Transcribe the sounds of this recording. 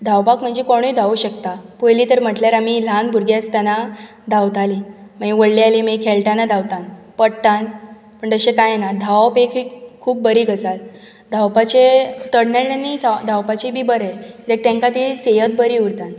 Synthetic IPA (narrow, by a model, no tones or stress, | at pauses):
d̪ʱawpakm̤əɲd͡ʑikoɽ̃uid̪ʱauɕəkt̪apojliːt̪əɾm̤əʈljaɾamilanbʱuɾɡjast̪jana | d̪ʱawt̪aliməiʋəɽlialimekʰeɭʈanad̪ʱawt̪an | pəɽt̪an | pəɳt̪əɕekajenad̪ʱawpekʰikʰuːp̚bəɾiːɡəsal | d̪ʱawpat͡ɕet̪əɽneɾnanːisad̪ʱawpat͡ɕibʱiːbəɾeɾek̚t̪ẽŋkat̪isejət̪̚bəɾiːuɾt̪ãn